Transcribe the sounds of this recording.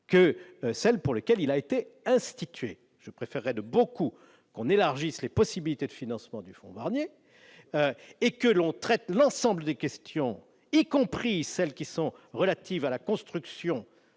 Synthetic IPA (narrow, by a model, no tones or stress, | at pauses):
kəsɛlpuʁləkʲɛlilaet̪eɛ̃st̪it̪ɥḛ | ʒ̥əpχefɛʁːɛd̪əboku | kɔ̃nelaʁʒislepɔsibilit̪ed̪əfinɑ̃smɑ̃d̪yfɔ̰̃vaʁnje | øekəlɔ̃t̪χɛt̪lɑ̃sɑ̃bləd̪ekʲɛst̪jɔ̃ | ikɔ̃pχisɛlkʲisɔ̃ʁəlat̪ivalakɔ̃st̪χyksjɔ̃